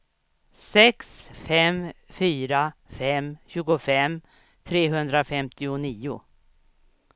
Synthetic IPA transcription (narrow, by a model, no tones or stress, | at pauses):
sɛksfɛmfyːɾafɛmɕʉ̟ːɡʊfɛm | t̪ʰɾeːɦɵnd̪ɾafɛmt̪ɪʊniːʊ̰